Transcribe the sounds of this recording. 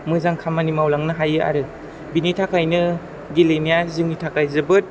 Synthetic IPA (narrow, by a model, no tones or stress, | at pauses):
mɯzaŋkʰamanimawlaŋnɯɦajɯa̰ɾɯ | binitʰakajnɯ | ɡilenijazɯŋitʰakajzɯbɯt̚